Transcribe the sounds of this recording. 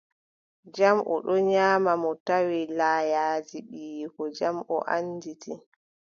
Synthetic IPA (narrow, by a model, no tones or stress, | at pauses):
d͡ʒamʔɔ̰ɗɔɲaːmamɔtawilaːjaːd͡ʒiɓiːkɔd͡ʒamʔɔ̰ʔanditi